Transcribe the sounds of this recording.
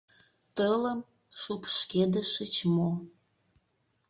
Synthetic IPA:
t̪ələm | ʃupʃked̪əʃət͡ɕmo

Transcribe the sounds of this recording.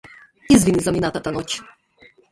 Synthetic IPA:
izvʲinizamʲinat̪at̪anɔt͡ɕ

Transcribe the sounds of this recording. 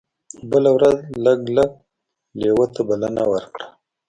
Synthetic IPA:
bəlawɾazləɡləɡ̚ | lewət̪abalanawəɾkɽḁ

